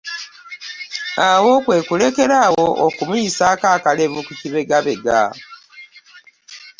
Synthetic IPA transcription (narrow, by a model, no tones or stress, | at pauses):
awo̞ːkwe̞ːkule̞ke̞ɾaːwo̞ʔokumujisaːkaːkaleβukuciβe̞ɡaβeɡa̰